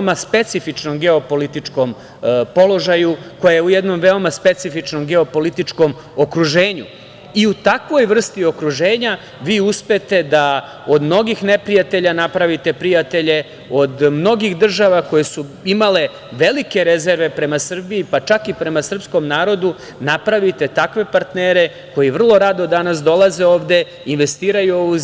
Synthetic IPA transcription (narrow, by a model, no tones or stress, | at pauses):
maspe̞t̪sifit͡ʃno̞mɡeopo̞lit̪it͡ʂko̞m | po̞lo̞ʒajuko̞jajeujed̪no̞mʋe̞o̞maspe̞t̪sifit͡ʃnomɡe̞o̞po̞lit̪it͡ʂko̞m | okɾuʒe̞ːɲṵ | iut̪akʋo̞jʋr̩st̪io̞kɾuʒeːɲa | ʋiːuspe̞t̪e̞d̪a | o̞d̪mno̞ɡixne̞pɾijat̪e̞ʎanapɾaʋit̪e̞pɾijat̪e̞ʎe̞ | o̞d̪mno̞ɡixd̪r̩ʒaʋako̞je̞suimale̞ | ʋe̞like̞ɾe̞ze̞ɾʋe̞pɾe̞masr̩biːpat͡ʃakipɾe̞masr̩psko̞mnaːɾo̞d̪u | napɾaʋit̪e̞t̪akʋe̞paɾt̪neːɾe̞ | ko̞jiʋr̩lˠo̞ɾad̪od̪anasd̪o̞laze̞o̞ːʋd̪e̞ | inʋe̞st̪iːɾajuou